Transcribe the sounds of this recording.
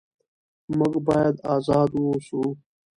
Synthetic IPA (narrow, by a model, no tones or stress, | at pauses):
mɐɡbaːjɐd̪aːzɑːd̪woːsu